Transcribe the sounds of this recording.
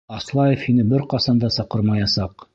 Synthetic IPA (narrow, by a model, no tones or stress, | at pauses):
ɑslˠɑjefhinɘbɘɾqɑsɑnd̪ɑsɑqɤɾmɑjɑsɑq